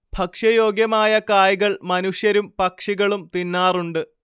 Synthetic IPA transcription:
b̥ʱɐkʂɐjoːɡjɐmaːjɐkaːjɣɐɭmɐnuʂjɐɾumpɐkʂiɣɐɭumt̪inːaːruɳɖɨ

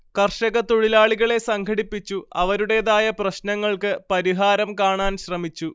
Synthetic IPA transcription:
kɐrʂɐɣɐt̪oɻilaːɭiɣɐɭe̞sɐŋɡʰʱɐɽipːit͡ɕːuɐʋɐɾuɽe̞ːðaːjɐprɐɕnɐŋːɐɭkɨpɐɾiɦaːɾɐmkaːɳaːnɕrɐmit͡ɕːu

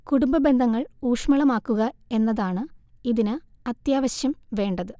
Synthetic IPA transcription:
kuɽumbɐbe̞nd̪ʱɐŋːɐɭuːʂmɐɭɐmaːkːuɣɐe̞nːɐðaːɳɨiðinɨ | ɐt̪jaːʋɐɕjɐmʋe̞ːɳɖɐðɨ

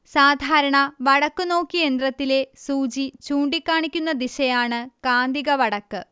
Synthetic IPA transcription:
saːd̪ʱaːɾɐɳɐʋɐɽɐkːɨno̞ːkːie̞nd̪rɐt̪ːile̞suːd͡ʑit͡ɕuːɳɖikʲːaːɳikʲːunːɐd̪iɕɐjaːɳɨkaːnd̪iɣɐʋɐɽɐkːɨ

